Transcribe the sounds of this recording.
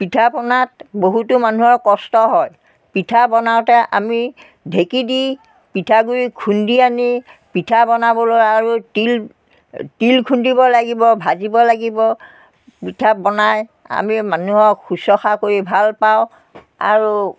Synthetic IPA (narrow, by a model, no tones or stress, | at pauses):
pitʰapɔnat̚boɦutumanuɦɔɹkɔstɔɦɔj | pitʰabɔnaʊtɛʔa̰mi | dʱekidi | pitʰaɡuɹikʰundianipitʰabɔnabɔlojaɹutil | tilkʰundibɔlaɡibɔbʱazibɔlaɡibɔ | pitʰabɔnaj | a̰mimanuɦɔxusɔxakoɹibʱalpaʊ̃ | a̰ɹu